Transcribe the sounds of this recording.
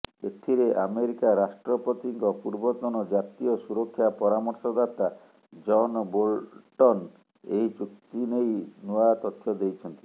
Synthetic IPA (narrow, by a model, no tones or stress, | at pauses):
et̪ʰiɾeʔameɾikaɾasʈɾɔpɔt̪iŋkɔpuɾbɔt̪ɔnɔd͡ʒat̪iɔsuɾɔkʰːjapɔɾamɔɾsɔd̪at̪a | d͡ʒɔnbolʈɔn | eɦit͡ʃuk̚t̪inejnuat̪ɔt̪ʰːjɔd̪ejt͡ʃʰɔnt̪i̥